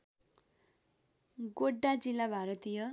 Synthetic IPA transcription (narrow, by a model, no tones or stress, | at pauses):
ɡoɖːad͡zilːabʱaɾʌt̪ijʌ